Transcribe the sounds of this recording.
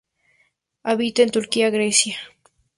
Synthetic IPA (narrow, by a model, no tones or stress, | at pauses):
aβit̪ent̪ʊɾkiaɣɾesja